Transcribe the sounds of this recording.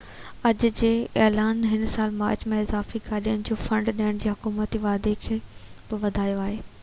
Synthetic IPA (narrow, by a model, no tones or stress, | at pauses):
ɐd͡ʑd͡ʑeːɛːlaːnɦɪnsaːlma̰ːɾt͡ɕmẽɪzaːfikaːɗiəñɪ̆d͡ʑoːfɐ̃ɳɖɗiəɽ̃d͡ʑeːɦʊkuːmət̪iʋaːd̪ekʰeːbɪʋɐd̪ʱaːjoaːɦeː